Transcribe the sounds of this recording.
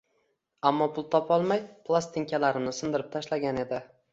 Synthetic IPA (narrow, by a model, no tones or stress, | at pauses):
amːɒpʰʊlˠt̪ʰɒpʰɒlˠmajpʰlˠast̪ʰɪŋkʲʰalaɾɪmnɪsɪnd̪ɪɾɪp̚t̪ʰaʃlaɡʲane̞d̪ɪ